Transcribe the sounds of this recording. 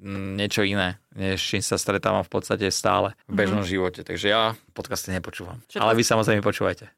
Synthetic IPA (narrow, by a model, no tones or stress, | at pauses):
ɲɪɛt͡ʃɔinɛːɲɛʃt͡ʃimsast̪ɾɛt̪a̰ːʋamfpɔt̪st̪acɛst̪a̰ːlɛvbɛʒnɔmʒiʋɔcɛt̪aɡʒɛjapɔt̪kast̪iɲɛpɔt͡ʃuːʋa̰malɛʋisamɔzɾɛɪmɛpɔt͡ʃuːʋajcɛ